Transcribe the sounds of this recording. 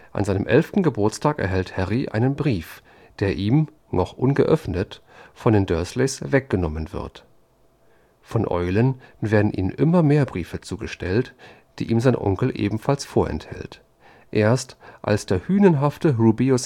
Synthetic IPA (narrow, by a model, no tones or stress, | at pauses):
ʔa̰nzaɪnəmʔɛlftn̩ɡəbʊɐt͡stʰaːkɛ̰ɐɦɛlthɛʁiʔa̰ɪnənbʁiːf | d̥eːɐʔiːm | nɔχʔʊnɡəʔœfnət | fɔndeːndœɐsleːsv̥ɛk̚ɡ̥ənɔmənvɪ̰ɐt | fɔnʔɔ̰ʏlənveːɐdn̩ʔḭːnənʔɪmɐmeːɐbʁiːfət͡suːɡəʃtʰɛlt | d̥ḭːʔiːmzaɪnʔɔ̰ŋkl̩ʔḛːbm̩falsfoːɐʔɛ̰nthɛ̰lt | ʔeːɐstʔa̰lsd̥eːɐhyːnənɦaftəʁuːbios